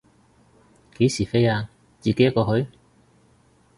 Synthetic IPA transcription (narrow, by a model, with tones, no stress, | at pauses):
ke˨˥jsiː˨˩fe˥jaː˧ | t͡siː˨ke˨˦jɐ˥kːɔː˧ɦɵ˨˥ɥ